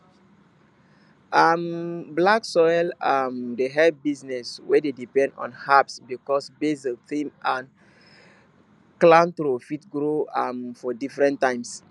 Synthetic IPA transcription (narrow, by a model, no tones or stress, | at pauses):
amblaksɔjlamdeɦɛbiznɛswededipɛ̃ndɔ̰̃nhapsbikɔsbezikθĩmãn | klãntɾofitɡɾoamfɔdifɹɛ̃ntːãɪ̃ms